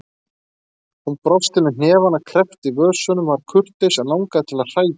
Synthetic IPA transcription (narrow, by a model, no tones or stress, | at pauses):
unpɾɔfst̪ɪnɪn̥ɛːvanakʰɾɛft̪ivœːsœnʏmvaɾ̥kʰʏr̥t̪ejsanawŋkaðɪt̪ʰɪlaðr̥aːjḁ